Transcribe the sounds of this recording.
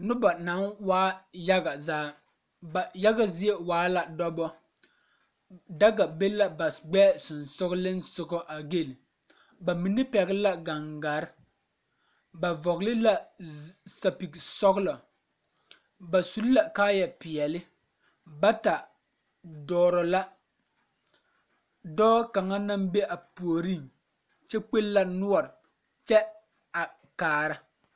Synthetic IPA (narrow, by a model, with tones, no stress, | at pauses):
nʊ˦ba˨na˨˦nwaː˦ja˦ɡa˨zaː˦ | a˨ja˦ɡa˨zɪ˦e˦waː˨˦la˨dɔ˦bɔ˦ | da˦ɡa˨be˦la˨ba˨sɡ͡bɛː˦sʊ˨nsʊ˦ɣlɪ˦n̩˦sʊ˨ɡɔ˦ʔa˨ɡe˦li˨ | ba˨mi˨nɪ˦pɛ˨ɣɪ˦la˦ɡa˨ŋɡa˨ɾɪ˦ | ba˨vɔ˨ɣlɪ˦la˨ | sa˨pi˨ksɔ˦ɣlɔ˨ | ba˨su˦lla˨kaː˦jɛ˨pɪ˨ɛ˨lɪ˦ | ba˦ta˨ | dɔː˦ɾɔ˨la˦ | dɔː˦ka˨ŋa˦na˦mbe˦ʔa˨pu˨o˨ɾi˦˨ŋ | t͡ʃɛ˦k͡pe˦lla˦nʊ˦ɔ˨ɾɪ˨ | t͡ʃɛ˦ | a˨ | kaː˨ɾa˦